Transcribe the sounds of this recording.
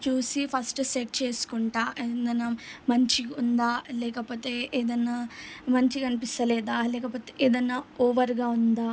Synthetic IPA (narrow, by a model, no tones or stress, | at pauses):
t͡ʃuːsipʰɐsʈseʈ̚t͡ʃe̞ːsu̥kuɳʈaːʔed̪ɐnːamɐɲt͡ʃiund̪aːlɛːkɐpoːt̪e̞ːeːd̪ɐnːaːmɐɲt͡ʃikɐnipist̪ɐlɛːd̪aːlɛːkɐpoːt̪eeːd̪ɐnːaːoːʋɐɾɡaːund̪aː